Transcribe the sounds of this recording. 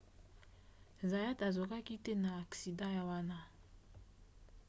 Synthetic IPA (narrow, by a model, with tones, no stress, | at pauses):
za˨ja˦ta˨zo˨ka˦ki˦te˦na˨a˨ksi˨dã˦ja˨wa˦na˦